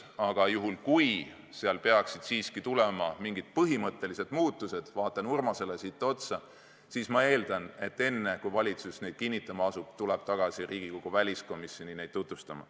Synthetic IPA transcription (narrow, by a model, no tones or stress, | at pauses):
ɑɡ̥ɑjuɦulkuj | seɑlpe̞ɑksid̪̥siːskit̪ulemɑmiŋɡ̥id̪̥̚pɤɦimɤt̪ːˑe̞lise̞d̪̥muːt̪ːused̪̥vɑːt̪ːˑɑnurmɑse̞lesit̪ːeo̞t̪sɑ | siːsmɑe̞ːld̪̥ɑne̞t̪ːe̞nːe̞kujvɑlʲit̪susne̞jd̪̥̚kinʲːit̪ːˑɑmɑɑsub̥t̪ulɛb̥̚t̪ɑɡ̥ɑsiriːɡ̥ikoɡ̥uvælʲisko̞misʲjo̞nine̞jd̪̥̚t̪ːut̪vust̪ɑmɑ̰